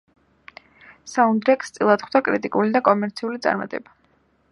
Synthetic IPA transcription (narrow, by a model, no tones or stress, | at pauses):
saund̪ɾɛkʼst̪sʼilˠat̪χwd̪akʼɾit̪ʼikʼulid̪akʼɔmɛɾt̪sʰiulit̪sʼa̰ɾma̰t̪ʼɛ̰ba